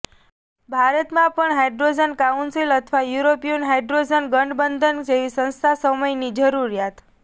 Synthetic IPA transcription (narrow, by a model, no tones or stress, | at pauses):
bʱaɾət̪mãpəɳɦeɖɾod͡ʒənkaunsilət̪ʰʋajuɾopijunɦeɖɾod͡ʒənɡəɳɖbənd̪ʱənd͡ʒeʋisə̃ñst̪ʰasəməjnid͡ʒəɾuɾijat̪